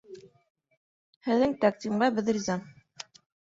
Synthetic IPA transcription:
hɘ̆ðːɘŋt̪ak̚t̪ʲimɢɑbɘ̆ðrʲizɑ

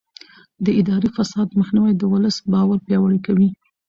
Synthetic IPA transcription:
d̪əɪd̪ɑɾifasɑd̪məxniwajd̪əwʊləsbɑwaɾpjɑwaɽikawi

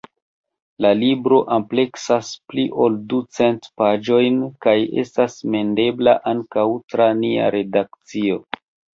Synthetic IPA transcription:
lalibɾo̞ʔample̞ksaspliʔo̞ldut͡se̞ntpad͡ʒo̞jnkaje̞̰stasme̞nde̞blaʔaŋkawtɾania̰ɾe̞dak̚t͡sio̞

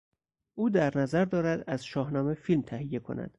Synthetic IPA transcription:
ʔuːd̪æɾnæzæɾd̪ɒːɾæd̪æz̥ʃɒːhnɒːme̞filmt̪ʰæhijːe̞kʰo̞̰næ̰d̪̥

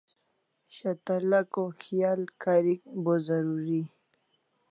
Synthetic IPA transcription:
ɕat̪alakoxijɑlkaɾikbozaɾuɾi

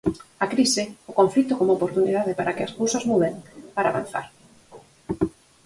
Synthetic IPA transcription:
akɾisɪʊkoɱflit̪ʊkomoopoɾt̪uniðaðɪpaɾakɪaskowsazmuðeŋpaɾaβa̰n̟θa̰ɾ

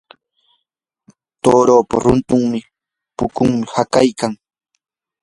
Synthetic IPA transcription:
t̪oːɾoːpa̰ɾʊnt̪ʊŋmɪ | pʊkʊŋmɪhakajkaŋ

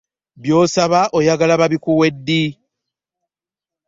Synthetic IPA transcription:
bjo̞ːsaβaʔojaɡalaβaβikuwe̞dːi

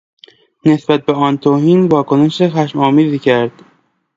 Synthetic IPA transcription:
ne̞sbæt̪̚beɒːnt̪ʰoːhiːnvɒːkoneʃexæʃmɒːmiːziːcʰæɾd̪̥

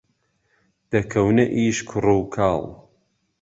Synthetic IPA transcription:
d̪̥ɐkʰɐwnɐʔiːʃkʰʊrowkʰaːlˠ

